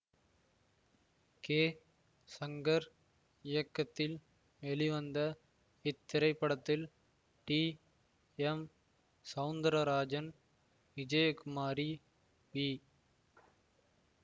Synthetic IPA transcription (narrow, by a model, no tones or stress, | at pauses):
keː | sɐŋɡɐɾ | ɪjɐkːɐt̪ːɪl | ʋɛɭiʋɐnd̪ɐ | ɪt̪ːɪɾɐɪpːɐɽɐt̪ːɪl | ʈiː | ɛm | sɐʊnd̪ɐɾɐɾaːd͡ʒɐn | ʋɪd͡ʒɐjɐkʊmaːɾi | ʋiː